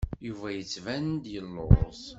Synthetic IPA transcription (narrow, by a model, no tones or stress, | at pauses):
juvæjət͡sːvænd̪jəlːo̰ɾˤs